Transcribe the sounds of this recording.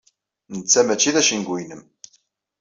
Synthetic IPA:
nət͡sːæmæt͡ʃːiðæʃinɡʷijnəm

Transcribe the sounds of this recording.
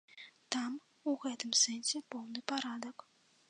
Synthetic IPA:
t̪am | uɣɛt̪ɨmsɛnsʲɛpɔwnɨpaɾad̪ɐk

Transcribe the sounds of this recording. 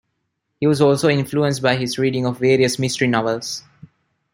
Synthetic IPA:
hiːʋɔzɔːlsoːɪ̃nfluə̃nsʈbaɪɦɪzɾiːɖɪ̃ŋɔʋːeːɾiəsmɪsʈəɾinɔʋəls

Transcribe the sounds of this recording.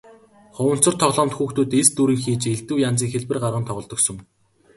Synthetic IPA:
χʊwə̆n̥t͡sɞ̆rt̪ʰɔʁɮɔːmt̪xuːxt̪uːt̪est̪uːɾiːŋxiːt͡ɕeɮt̪ɘ̆wjant͡siːŋxeɮpɘ̆rɢarʁə̆nt̪ʰɔʁɞ̆ɮt̪ɞ̆ksɵ̆ŋ

